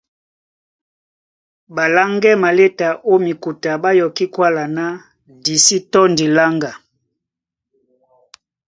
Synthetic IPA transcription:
ba˨la˦ŋɡɛ˦ma˨le˦ta˨ʔo˦mi˨ku˨ta˨ba˦jɔ˨ki˦kwa˦la˨na˦ | di˨si˦tɔ˦ndi˨la˦ŋɡa˨

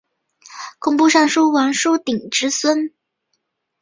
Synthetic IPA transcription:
kʰʊ˨˩ŋpu˥˧ʂa˥˧ŋʂu˥wa˧˥nʂu˥t̪i˨˩ŋʈ͡ʂɻ̩˥swə˥n

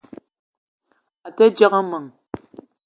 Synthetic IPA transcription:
a˨tɛ˦d͡ʒa˦ɣa˦mə˨ŋ

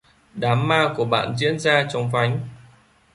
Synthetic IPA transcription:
ɗaː˨˦mːaː˧ku˧˩əɓa̰ː˧˨nzḭ˧˥ənzaː˧t͡ɕɔ˧wŋ͡mfa˨˦jŋ̟

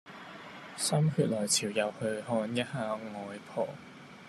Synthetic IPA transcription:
sɐ˥mhyː˧t̚lɔː˨˩jt͡sʰiː˨˩wjɐ˨˧whɵ˧ɥhɔː˧njɐ˥t̚haː˧ŋɔː˨˧jpʰɔː˨˩

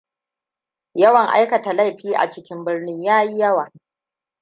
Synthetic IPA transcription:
jɐ˦wɐ˨ŋʔa̰˦jkɐ˨ta˨la˦˨jɸiː˦ʔa̰˨t͡ʃɪ˦kʲɪ˦mbɪ˦rnɪ˦ɲjaː˦ji˦jɐ˦waː˨

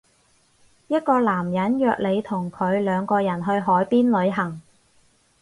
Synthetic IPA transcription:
jɐ˥t̚kɔː˧laː˨˩mjɐ˨˥njœː˧k̚le˨˧jt̪ʰʊ˨˩ŋkʰɵ˨˧ɥlœː˨˧ŋkɔː˧jɐ˨˩nɦɵ˧ɥɦɔː˨˥jpiː˥nlɵ˨˧ɥɦɐ˨˩ŋ

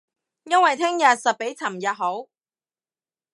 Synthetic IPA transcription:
jɐ˥nwɐ˨jt̪ʰɪ˥ŋjɐ˨t̚sɐ˨p̚pe˨˥jt͡sʰɐ˨˩mjɐ˨t̚ɦo˨˥w

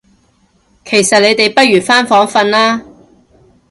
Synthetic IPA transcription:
kʰe˨˩jsɐ˨t̚le˨˧jt̪e˨jpɐ˥t̚jyː˨˩faː˥nfɔː˨˥ŋfɐ˧nlaː˥

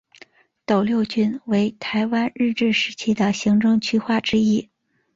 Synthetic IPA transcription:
t̪o˨˩ʊljo˥˩ʊt͡ɕy˥nwe˧˥ɪt̪ʰa˧˥ɪwa˥nɻɻ̩˥˧ʈ͡ʂɻ̩˥˩ʂɻ̩˧˥t͡ɕʰi˥d̪ə˨ɕi˧˥ŋʈ͡ʂɤ˥˧ŋt͡ɕʰy˥xwa˥˩ʈ͡ʂɻ̩˥i˥

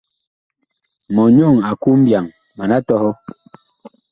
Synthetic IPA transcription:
mɔ˨ɲɔ˦˨ŋa˨ku˦m̩˦bja˨ŋ | ma˨na˦tɔ˦hɔ˦

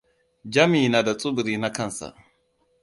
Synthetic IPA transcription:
d͡ʒa˦mi˨na˨da˨t͡sʼu˦bi˨ɾi˨na˦ka˦n˨sa̰˨

